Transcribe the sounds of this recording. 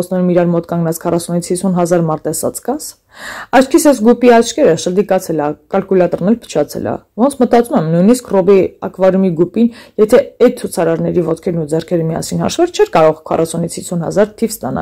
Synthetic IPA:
t͡sʰnɛɾumiɾɑɾmɔt̪kɑŋɡnɑt͡sʰkʰɑrɑsunit͡sʰhisunɦɑzɑɾmɑɾt̪ɛsɑ̰t͡skɑs | ɑt͡ʃʰkʰisɛsɡupiɑt͡ʃʰkɛɾəʃəɾd̪ikɑt͡sʰɛlɑkɑlkulɑt̪ɔrnɛlpʰə̥t͡ʃʰɑt͡sʰɛ̰lɑ̰vɔnt͡sʰmət̪ɑt͡sumɛmnujniskrɔbiɑ̰kʰvɑɾumiɡupinjɛt̪ʰɛɛt̪̚t͡sʰut͡sʰɑɾɑɾnɛɾivɔt̪kʰɛɾnud͡zɛrkʰɛɾəmiɑ̰sinhɑ̰ʃvɑɾt͡ʃʰɛɾkɑɾɔʁkʰɑ̰rʔɑsunit͡sʰhisunhɑ̰zɑɾt̪ʰivst̪ɑnɑ̰

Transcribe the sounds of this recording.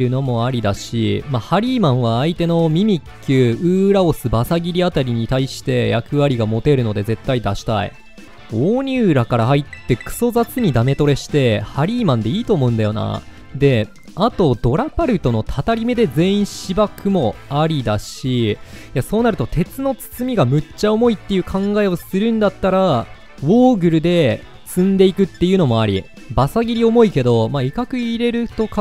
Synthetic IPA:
ɾɯ̟no̞mo̞aɾʲid̪aɕḭmahaɾʲiːmãɰ̃βaːit̪e̞no̞mʲimʲikːɯɯ̟ːɾaosɨbasaɡʲiɾʲiat̪aɾʲiɲ̟it̪aiɕi̥t̪e̞jakɯ̟βaɾʲiɡamo̞t̪e̞ɾɯ̟no̞d̪e̞ze̞t̪ːaid̪aɕi̥t̪a̰ḭ | oːɲ̟ʲɨːɾakaɾahait̪ːe̞kɯ̟̥so̞zat͡sɨɲ̟id̪ame̞t̪o̞ɾe̞ɕi̥t̪e̞haɾʲiːmãnd̪e̞iːt̪o̞ːmo̞ɯ̟nd̪ajo̞na̰ | d̪e̞ | at̪o̞d̪o̞ɾapaɾɯ̟t̪o̞no̞t̪ʰat̪aɾʲime̞d̪e̞zẽ̞ːĩɕibakʰɯ̟mo̞aɾʲid̪aɕijaso̞ːnaɾɯ̟t̪o̞t̪ʰe̞t͡sɨno̞t͡sɨ̥t͡sɨmʲiɡamɯ̟t͡ɕːaomo̞it̪ːe̞jɯ̟kʰãŋɡae̞o̞sɨɾɯ̟̃nd̪at̪ːaɾa | βo̞ːɡɯ̟ɾɯ̟d̪e̞ | t͡sɨ̃nd̪e̞ikɯ̟t̪ːejɯ̟no̞mo̞aɾʲḭ | basaɡʲiɾʲio̞mo̞ike̞d̪o̞maikakɯ̟iɾe̞ɾɯ̟t̪o̞k

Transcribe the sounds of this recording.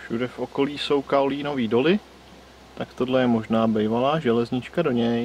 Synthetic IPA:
fʃudɛfʔo̞ko̞liːso̞wkaoliːno̞viːdo̞lɪ | t̪akt̪o̞dlɛjɛmo̞ʒnaːbɛjvalaːʒɛlɛzɲɪt͡ʃkado̞ɲɛj

